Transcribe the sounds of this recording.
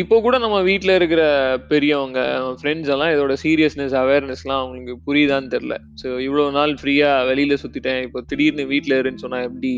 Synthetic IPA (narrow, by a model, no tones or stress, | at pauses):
ɪpːoːkuːɽɐnɐmːɐʋiːʈːlɐɪɾɯk̬ːɪɾɐpɛɾɪjɔ̃ʋɐŋɡɐ̰nɐmːɐfɾɛɳɖslãːɪðoːɽɐsiːɾijɐsnɛsɐʋeːɾnɛslãːɐʋɐŋɡɐɭɯkːɯpʊɾɪt̪aːnt̪ɛɾɪlɐ̰ | soːɪʋːɪɭoːnaːlfɾiːaːʋɛlɪjɪlɐsʊt̪ːɪʈːẽːɪpːoːt̪ɪɽɪjɾnɯʋiːʈːlɐɪɾɯnːsɔnːaːɛpːɐɽi